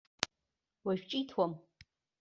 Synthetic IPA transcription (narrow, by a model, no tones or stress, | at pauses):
waʒʷᶣt͡ʃʼitʰwam